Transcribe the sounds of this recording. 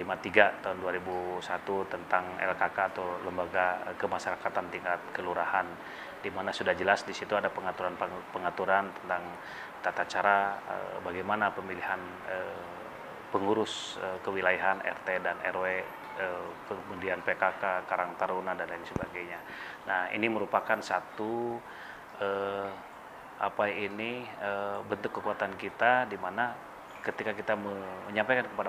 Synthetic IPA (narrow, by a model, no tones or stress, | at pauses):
limat̪iɡat̪aɦunduaɾibusat̪ut̪ənt̪aŋɛ̰lkakaːt̪oləmbaɡaəkəmaʃaɾakat̪ant̪iŋkat̪̚kəluɾahan | dimanasudahd͡ʒəlasdisit̪uadapəŋat̪uɾanppəŋat̪uɾant̪ə̥nt̪aŋ | t̪at̪at͡ʃaɾaə̰baɡajmanapəmilihan | ə | pəŋuɾʊsəkəwilajaɦanɛ̰rt̪edanɛ̰rwe | əpəmundianpekakakaɾaŋt̪aɾonadanlainsəbaɡajɲa | nahḭniməɾupakansat̪u | ə | ʔapainiəbənt̪ʊkːəkuat̪ankit̪adimana | kət̪ikakit̪aməməɲampajkankəpada